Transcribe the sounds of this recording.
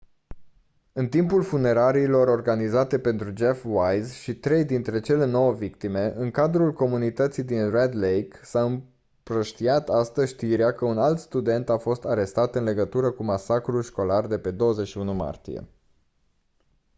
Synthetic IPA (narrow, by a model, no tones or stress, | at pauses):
ɨnt̪impulfune̞ɾaɾiːlo̞ɾo̞rɡanizat̪e̞pe̞nt̪ɾud͡ʒe̞fwajzʃit̪ɾe̞jd̪int̪ɾe̞t͡ʃe̞le̞no̞wəvikt̪ime̞ʔɨŋkad̪ɾulko̞munit̪ət̪sijd̪inred̪lejksaɨm | pɾəʃt̪iat̪ast̪əzʲʃt̪iɾeakəunalt̪st̪ud̪e̞nt̪afo̞st̪aɾe̞st̪at̪ɨnle̞ɡət̪uɾəkumasakɾulʃko̞lard̪e̞pe̞d̪o̞wəze̞t͡ʃʃiunuma̰rt̪ḭjḛ